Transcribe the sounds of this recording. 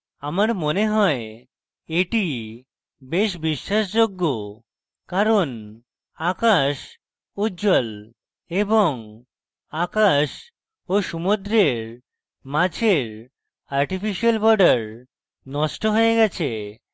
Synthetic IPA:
amaɾmoneɦɔe | eʈi | beʃbiʃːaʃd͡ʑoɡːo | kaɾon | akaʃ | ud͡ʑol | eboŋ | akaʃ | oʃumud̪ɾeɾ | mãd͡ʑʰʱeɾ | aɾʈifiʃialbɔɾɖaɾ | nɔʃʈoɦoeɡɛt͡ɕʰe

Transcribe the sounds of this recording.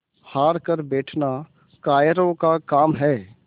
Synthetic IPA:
haːɾkəɾbɛːʈʰna | kaːjəɾõkakaːmɦɛː

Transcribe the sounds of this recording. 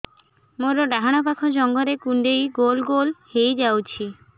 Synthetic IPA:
moɾɔɖaɦaɽ̃ɔpakʰɔd͡ʒɔŋɡɔɾekuɳɖejɡolɡolhejd͡ʒawt͡ʃʰi

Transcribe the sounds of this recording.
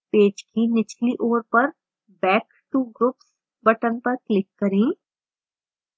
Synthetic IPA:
peːd͡ʒkinɪt͡ʃliʔoːɾpɐɾ | bɛːk | ʈuɡɾʊps | bɐʈənpɐɾklɪkːɐɾẽː

